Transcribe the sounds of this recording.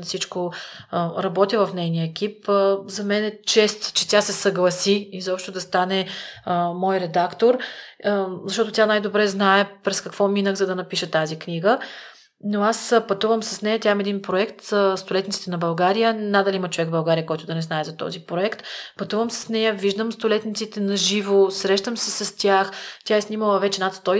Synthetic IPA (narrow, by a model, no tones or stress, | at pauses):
sit͡ʃko | ɾɐbɔt̪ʲəvɐfnɛjniəɛk̟ipzɐmɛnɛt͡ʃɛst̪t͡ʃɛt̪jasɛsɐɡlˠɐsiizɔpʃt̪ʊd̪ɐst̪anɛəmɔjɾɛd̪akt̪oɾ | zɐʃt̪ɔt̪ot̪ʲanajd̪obɾɛznaɛpɾɛskɐkvɔminəxzɐd̪ɐnɐpiʃət̪azikniɡə | noaspɐt̪uvəmsɐsnɛjət̪jamɛd̪inpɾoɛkt̪st̪olɛt̪nit̪si̥t̪ɛnɐbɐlˠɡaɾijənad̪ɐliimət͡ʃovɛkɡvbɐlˠɡaɾijəkɔjt̪ʊd̪ɐnɛznaɛzɐt̪ɔ̰zipɾoɛkt̪pɐt̪uvəmsɐ̥snɛjəviʒd̪əmst̪ʊlɛt̪nʲit̪sit̪ɛnɐʒivosɾɛʃt̪əmsɛsɐst̪ʲjaxt̪ʲjaɛsniməlˠəvɛt͡ʃɛnat̪st̪ɔj